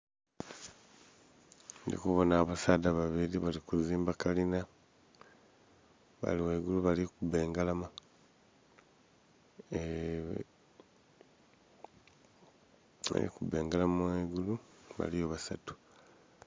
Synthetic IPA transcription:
ndḭkuβo̞naːβasadaβaβiliβalikuziːmbakalina | βa̰liweɡuluβalikuβeːŋɡalama | a̰lḭkubeːŋɡalamaweɡuluβa̰lijoβasatu̥

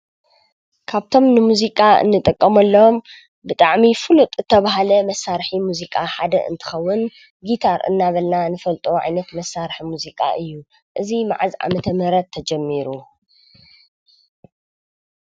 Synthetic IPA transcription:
kʰaβt̪ʰo̞mnɨmuzikʼaɨ̰nːɨt̪ʼɨkʼːɐmɐlːɐom | bɨt̪ʼaʕmifɨlut̪ʼzɨt̪ʰːɐβaɦalɐmɐsːaɾħimuzikʼaħad̪ɐ̰ʔɨ̰nt̪ʰɨ̥xɐwːʊn | ɡit̪ʰaɾɨ̰nːaβɐlnanɨfɐlt̪ʼoʕa̰jnɐt̪mɐsːaɾħimuzikʼa̰ʔɨjːu | ʔɨzima̰ʕazʕa̰mɐt̪ʰɐmɨɾɐt̪ʰːɐd͡ʒɛmːiɾu

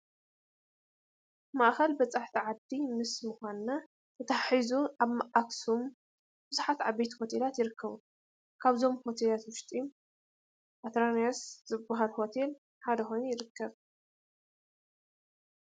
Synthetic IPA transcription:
maʔxɐlbɐt͡sʼaħt̪ʰiʕad̪ːimɨsmɨxʷanɨna | t̪ʰɐt̪ʰaħizuʔaβmaʔaksum | b̥ɨzuħat̪ʕabet̪ho̞t̪ʰe̞lat̪jɪɾɨkʰːɐβu | kʰaβzo̞mho̞t̪ʰelat̪wʊʃt̪ʼi | ʔat̪ɾaniasz̥ɨbːaɦalho̞t̪ʰe̞l | ħad̪ɐxo̞jnujɪɾɨkːɐβ

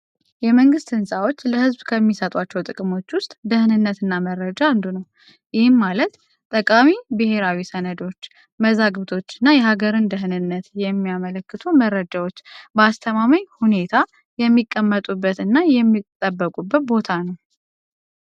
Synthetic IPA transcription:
jɛməŋɡɨst̪ɨnsʼawo̞t͡ʃːləhɨzbkʰəmːisət̪ʼat͡ʃːɛwt̪ʼɨkʼɨmo̞t͡ʃːwʊst̪ʼd̪əhɨnɨnːət̪ɨnːaməɾːəd͡ʒand̪unəw | jɪhɨmːalət̪ | t̪ʼəkʼamibɨhe̞ɾawisənəd̪o̞t͡ʃː | məzaɡβt̪ʰo̞t͡ʃːɨnːajɛɦaɡəɾɨnd̪əɦɨnɨnːət̪jɛmːijamələkːɨt̪ʰuməɾːəd͡ʒawo̞t͡ʃːbəast̪ʰəmaməɲhune̞t̪ʰa | jɛmːikʼːəmːət̪ʼubːət̪ɨnːajɛmːit̪ʼəbːəkʼubːət̪̚bo̞t̪ʰanəw

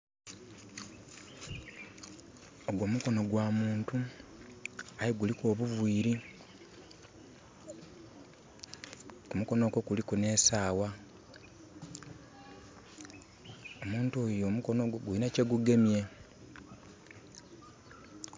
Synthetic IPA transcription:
oɡwo̞muko̞no̞ɡwaːmuːntu | ajiɡulikoːβuvwiːɾi | kumuko̞no̞ko̞kulikune̞ːsaːwa | omuːntuoːjo̞ːmukonoɡwinaceɡuɡe̞mje̞

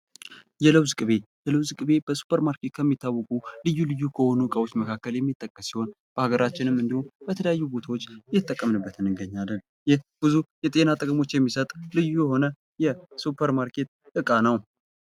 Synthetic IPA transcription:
jɛləwzɨkʼɨβe̞jɛləwzkʼɨβe̞b̥əsu̥pʰəɾmaɾke̞t̪̚kʰəmːit̪ʰːawːəkʼulɨjːulɨjːukʰəho̞nukʼəwot͡ʃːməkʰakːəljɛmːit̪ʼːəkʼːəsːiho̞n | b̥əʔaɡəɾat͡ʃːɪnɨmɨnd̪ihonbət̪ʰələjajːubo̞t̪ʰawot͡ʃːjɪt̪ʼːəkʼːəmnɨbːət̪ʰɨnɨɡəɲːalːən | jɪhbɨzujɛt̪ʼe̞nat̪ʼəkʼəmo̞t͡ʃːjɛmːisət̪ʼlɨjːujɛho̞nə | jɛsupʰəɾmaɾkʰe̞t̪̚ | ɨkʼanəw

